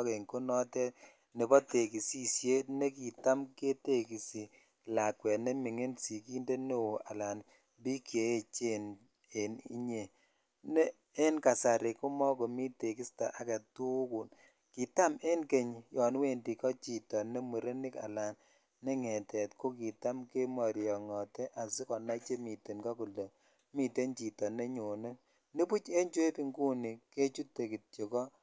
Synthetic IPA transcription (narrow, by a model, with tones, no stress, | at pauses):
ke˨ŋko˦nɔ˦tɛ˦ | ne˨bɔ˦te˨ki˨si˦˨sje˦tne˦ki˨ta˦mke˦te˦ki˨si˨ | la˨kwɛ˨ne˦mi˨ŋe˦nsi˨ki˦nde˦ne˦wo˨a˨la˨n | bi˦kje˨e˦t͡ʃe˦˨n | e˨nḭ˦ɲe˨ | ne˦ | e˦nka˨sa˨ɾe˨ko˦mɔ˦ko˨mi˦te˨ki˦sta˨ʔa˨ke˨tu˦ku˨n | ki˨ta˦me˦nke˨ɲjɔ˨n˦we˦ndi˨kɔ˦t͡ʃi˨tɔ˨ne˦mu˨ɾe˦ni˦ka̰˨la˨n | ne˦ŋɛ˨tɛ˨tko˦ki˨ta˦mke˦ma˨ɾjɔ˨ŋɔ˨tɛ˦ʔa˨si˦kɔ˨na˦t͡ʃe˦mi˨te˨nkɔ˦ku˨le˨ | mi˨te˦nt͡ʃi˨tɔ˨ne˦ɲo˨ne˦ | ni˦pu˦t͡ʃe˦nt͡ʃwe˦pi˦ŋɡu˦ni˨ke˦t͡ʃu˦tːe˨ki˨t̚t͡ʃe˨kɔ˦